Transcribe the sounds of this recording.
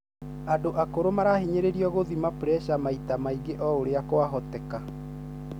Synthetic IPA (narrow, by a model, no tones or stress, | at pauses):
adoʔakoɾomaɾaɦiɲeɾeɾiɔɣoðimapɾɛʃamaitamaiɡeʔɔoɾeakoaɦɔtɛka